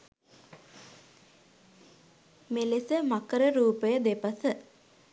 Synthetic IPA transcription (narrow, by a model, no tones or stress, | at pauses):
melesəmakəɾəɾuːpəjəd̪epasə